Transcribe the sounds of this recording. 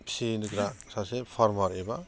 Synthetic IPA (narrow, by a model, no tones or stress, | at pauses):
pʰsinuɡɾasasepʰaɾmaɾeba